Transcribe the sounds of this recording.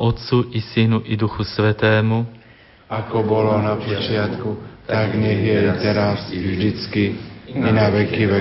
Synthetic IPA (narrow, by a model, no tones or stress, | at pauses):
ʔot̪t͡suʔɪsɪnuʔɪduxusvɛt̪ɛːmu | ʔakɔbolonapot͡ʃɪat̪kut̪aɡɲɛɣjɛt̪ɛɾasvʒd̪ɪt͡skiinavɛkiːvɛ